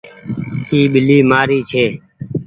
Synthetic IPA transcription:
iːɓɪliːmaːɾiːt͡ʃʰeː

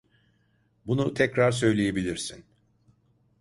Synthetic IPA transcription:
bunut̪ʰɛcɾaɾsø̞jlʲejebilʲiɾsin

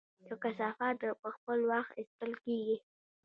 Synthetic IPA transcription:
j̪əkasɑfɑt̪əpəxpəlwaxt̪ist̪əlkeɡi

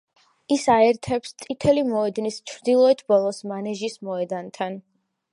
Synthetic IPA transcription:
isaɛɾt̪ʰɛpst̪ʼit̪ʰɛlimɔɛd̪nist͡ʃʰɾd̪ilˠɔɛt̪ʰbɔlˠɔsmanɛʒismɔɛd̪ant̪ʰan

